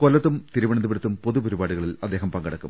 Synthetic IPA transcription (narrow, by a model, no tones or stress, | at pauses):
kolːɐt̪ːumt̪iɾuʋɐɳɐnd̪ubɐɾɐt̪ːumpo̞ðupoɾubaːɽuɣɐɭilɐd̪ːe̞ːɦɐmpɐŋɡɐɽɐkːṵm